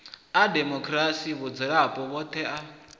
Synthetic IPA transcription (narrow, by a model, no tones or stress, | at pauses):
ademɔkʰɾasiβud͡zɛɺapʼɔβɔt̪ʰɛʔa